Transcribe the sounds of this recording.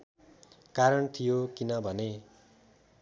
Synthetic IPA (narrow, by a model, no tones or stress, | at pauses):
kaɾʌnt̪ʰijokinʌbʱʌne